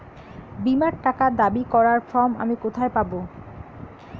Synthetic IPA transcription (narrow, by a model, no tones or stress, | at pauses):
bimaɾʈakad̪abikɔɾaɾfɔma̰mikot̪ʰaepabo